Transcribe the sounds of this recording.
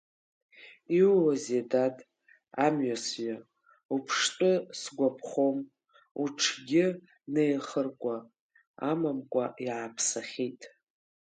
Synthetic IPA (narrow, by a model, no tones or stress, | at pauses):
iwwazedatʼ | amɥasɥa | upʰʂtʼɨsɡʷapʰχom | uʈ͡ʂʰɡʲɪ | nejχərkʷʼa | amamkʷʼaʔiʕapʰsaχʲitʼ